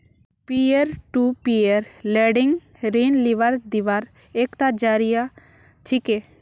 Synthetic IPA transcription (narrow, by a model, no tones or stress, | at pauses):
pieɾʈupieɾleɖɪŋɡ | ɾiːnliʋaɾd̪iʋaɾ | eːkt̪ad͡ʒaːɾija | t͡ʃʰike